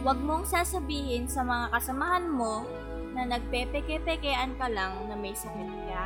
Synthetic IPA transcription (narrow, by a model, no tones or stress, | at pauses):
wɐɡ̚moɐŋsaːsɐbiːhɪnsɐmɐŋakɐsɐmahanmo̞ | nɐnɐɡ̚pɛpɛkɛpɛkɛʔɐnkɐlaŋnɐmɐjsɐkɐnɪɡa